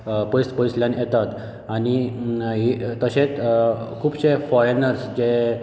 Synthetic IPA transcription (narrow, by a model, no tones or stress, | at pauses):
pɔjspɔisljãnjet̪at̪ | añiɦit̪əɕẽt͡skʰuːbɕefɔjnəɾsd͡ʑe